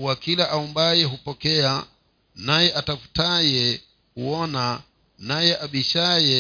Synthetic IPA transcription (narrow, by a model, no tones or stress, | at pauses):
wakilaʔaumbajɛɦupɔkɛa | najɛʔatafu̥tajɛ | huɔna | najɛʔaɓiʃajɛ